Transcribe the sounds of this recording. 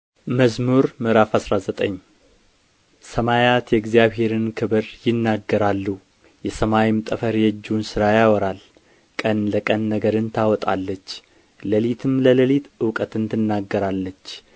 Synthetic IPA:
məzmuɾmɨɾafasɾazət̪ʼəɲː | səmajat̪jɛɡzijaβhe̞ɾɨnkʰɨβɨɾjɪnːaɡːəɾalːu | jɛsəmawimt̪ʼəfəɾjɛd͡ʒːunsɨɾajawɔɾal | kʼənləkʼənːəɡəɾɨnt̪ʰawɔt̪ʼa̰lːət͡ʃː | ləlit̪ʰɨmlələlit̪ɨwkʼət̪ɨnt̪ʰɨnːaɡːəɾalːət͡ʃː

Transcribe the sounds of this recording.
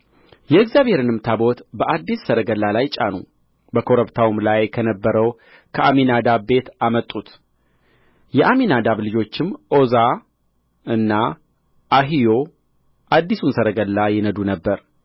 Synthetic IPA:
jɛɪɡzjaβhe̞ɾɨnɨmt̪ʰabo̞t̪bəʔad̪ːisːəɾəɡəlːalajt͡ʃʼa̰nṵ | bəkʰo̞ɾəbt̪ʰawmlajkʰənəbːəɾəw | kʰəʔaminad̪abe̞t̪amət̪ʼːut̪ | jɛʔaminad̪aβlɨd͡ʒo̞t͡ʃːɪmʔo̞za | ɨnːa | ʔaɦijo̞ | ʔad̪ːisunsəɾəɡəlːajɪnəd̪unəbːəɾ

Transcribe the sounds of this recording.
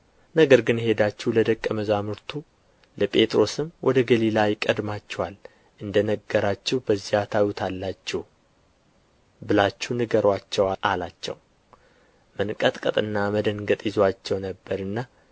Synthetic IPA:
nəɡəɾɡɨnhe̞d̪at͡ʃːuhləd̪əkʼːəməzamɨɾt̪ʰu | ləpʼe̞t̪ʼɾo̞sɨmwʔɔd̪əɡəlilajɪkʼəd̪mat͡ʃːɛwal | ʔɨnd̪ənəɡːəɾat͡ʃːɛhbəzːihat̪ʰajut̪ʰalːat͡ʃːɛh | bɨlat͡ʃːunɨɡəɾwat͡ʃːɛwaʔalat͡ʃːɛ̰w | mənkʼət̪ʼkʼət̪ʼɨnːaməd̪əŋɡət̪ʼjɪzwat͡ʃːɛwnəbːəɾɨnːa

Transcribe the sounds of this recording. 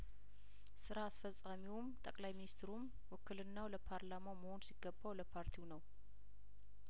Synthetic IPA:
sɨɾaːsfəsʼamiwmt̪ʼəkʼlajminist̪ʰɾum | wɔkʰːɨlɨnːawləpʰaɾlamaməho̞nsiɡːəbːawləpʰaɾt̪ʰiwnəw

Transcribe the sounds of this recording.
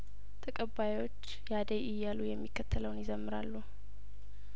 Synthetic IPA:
t̪ʰəkʼəβːajwo̞t͡ʃːjad̪əjʔɪjːalujɛmːikːət̪ʰːələwnjɪzəmːɨɾalːu

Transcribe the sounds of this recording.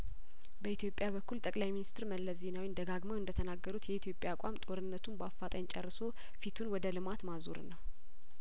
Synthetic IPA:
bəit̪ʰjo̞pʼːjaβəkʰːult̪ʼəkʼlajminist̪ʰɨɾməlːəze̞nawind̪əɡaɡməwɨnd̪ət̪ʰənaɡːəɾut̪jɛit̪ʰjo̞pʼjakʷʼamt̪ʼo̞ɾɨnːət̪ʰunbafːat̪ʼəɲt͡ʃʼɛrːɨso̞ | fit̪ʰunwɔd̪əlɨmat̪mazo̰ɾɨ̰nːəw

